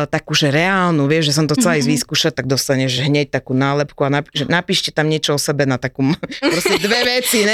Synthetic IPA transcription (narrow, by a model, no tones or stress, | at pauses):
t̪akuʒɛɾɛaːlnuʋɪɛʒʒɛs̬ɔmt̪ɔt͡sɛlaizʋiːskuːʃat̪aɡ̚d̪ɔst̪aɲɛʒʒɛɦɲɛc̚t̪akuːnaːlɛpkuanapʒɛnapiːʃcɛt̪amɲɪɛt͡ʃɔɔsɛbɛnat̪akumpɾɔscɛd̪ʋɛʋɛt͡siɛ